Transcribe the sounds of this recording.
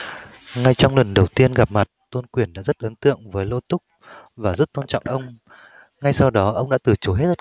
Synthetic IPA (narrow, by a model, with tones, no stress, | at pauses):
ŋa˧jt͡ɕɔ˧wŋ͡mlə˨˩nɗə˨˩wt̪i˧ənɣa˨˩p̚ma˨˩t̚t̪o˧nkwi˨˩ənɗa̰ː˧˥zə˦˥t̚ʔɨ˨˦nt̪ɨ̰˧˨əŋvəː˨˦jlo̰˧˥t̪ʊ˦˥k͡p̚ | vaː˨˩zu˦˥p̚t̪o˧nt͡ɕɔ̰˧˨wŋ͡mʔə˧wŋ͡m | ŋa˧jsa˧wɗɔ˨˦ʔə˧wŋ͡mɗa̰ː˧˥t̪ɨ˨˩t͡ɕo˨˦ɦe˦˥t̚z̥ə˦˥